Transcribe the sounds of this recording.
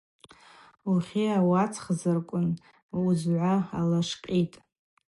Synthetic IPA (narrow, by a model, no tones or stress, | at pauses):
uχʲiawat͡sʰχzɨrkʷʼʊn | uzʕʷaalaʂqʲʼitʼ